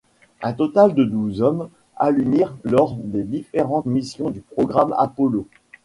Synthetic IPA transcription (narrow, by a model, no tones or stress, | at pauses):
ɛ̃t̪ɔt̪ald̪əd̪uzɔm | alymiʁlɔʁd̪ed̪ifeʁɑ̃t̪misjɔ̃d̪ypχɔɡʁama̰pɔlo